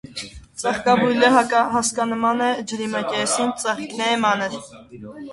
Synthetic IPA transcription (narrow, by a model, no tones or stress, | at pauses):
t͡sɑχkɑbujləɦɑkɑɦɑskɑnəmɑnɛd͡ʒəɾimɑkʲɛsint͡sɑχknɛɛmɑnəɾ